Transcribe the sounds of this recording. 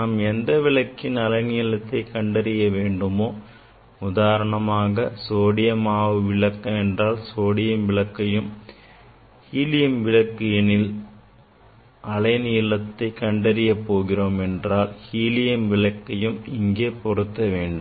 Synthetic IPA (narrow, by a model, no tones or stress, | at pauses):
naːmɛnd̪ɐʋɪɭɐkːɪnɐlɐɪniːlɐt̪ːɐɪkɐɳɖɐɾɪjɐʋeːɳɖɯmoː | ʊðaːɾɐɳɐmaːɣɐsoːɽɪjɐmaːʋɯʋɪɭɐkːɐmɛndraːlsoːɽɪjɐmʋɪɭɐkːɐjɯm | hiːlɪjɐmʋɪɻɐkːɪjɐnɪl | ʔɐlɐɪniːlɐt̪ːɐɪkɐɳɖɐɾɪjɐpːoːɣɪroːmɛndraːlhiːlɪjɐmʋɪɭɐkːɐjɯmɪŋɡeːpɔrɯt̪ːɐʋeːɳɖɯm